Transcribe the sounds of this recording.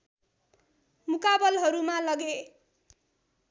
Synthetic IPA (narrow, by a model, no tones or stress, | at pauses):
mukabʌlɦʌɾumalʌɡe